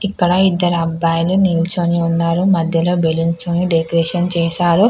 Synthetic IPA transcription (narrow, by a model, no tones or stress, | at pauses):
ikːɐɽɐid̪ːɐɾɐbaːjluniːlt͡ʃoniunːaːɾumɐd̪ʱjɐlo̞ːbelunt͡ʃoːniɖekɾɛːʂɐnt͡ʃɛːʃaːɾu